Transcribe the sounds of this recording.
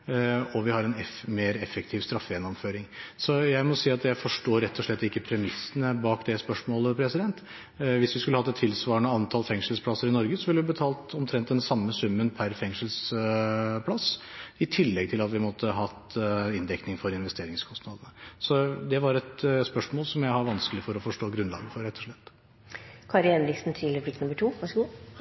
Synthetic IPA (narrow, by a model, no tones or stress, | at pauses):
ɔʋɪhɑɾɛnɛmeːɾɛfːɛkt̪ʰɪːʋst̪ɾɑfːəjɛnːɔmføːɾɪŋsɔjæɪmɔsiːɑt̪jæɪfɔʂʈoːɾɛt̪ʰːɔʂɭɛt̪ːɪkːəpʰɾɛmɪsːənəbɑːkd̪ɛspœʂmoːləpʰɾɛsɪd̪ɛnt̪ | ʋɪsʋɪskʉlːəhɑt̪ːɛt̪ʰːɪlsʋɑːəɳəɑnt̪ʰɑːlfɛŋʂəlspʰlɑsːəɾɪnɔɾɡəsɔʋɪlʋɪbət̪ʰɑːlt̪ɔmt̪ʰɾɛnt̪d̪ɛnsɑmːəsʉmːənpʰæɾfɛŋʂəls | pʰlɑsɪt̪ʰɪlːɛɡt̪ʰɪlɑt̪ʋɪmɔt̪ʰːəɦɑt̪ɪnd̪ɛknɪŋfɔɾɪnʋɛst̪eːɾɪŋskʰɔst̪nɑd̪ənəsɔd̪ɛʋɑɾɛt̪spœʂmoːlsɔmjæɪhɑʋɑnskəlɪfɔɾɔfɔʂʈoːɡɾʉnlɑ̰ːɡəfɔɾɛt̪ːɔʂɭɛt̪ː | kʰɑɾɛnɾɪksn̩t̪ʰiːləɾəflɪk̚t̪nʊmːəʈʰuːʋɑʂəɡuː